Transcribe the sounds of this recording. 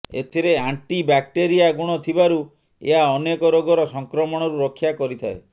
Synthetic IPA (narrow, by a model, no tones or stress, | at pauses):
ḛt̪ʰiɾeaɳʈibak̚ʈeɾijaɡuɽ̃ɔt̪ʰibaɾu | ḛɦaɔnekɔɾoɡɔɾɔsɔŋkɾɔmɔɽ̃ɔɾuɾɔkʰːjakɔɾit̪ʰae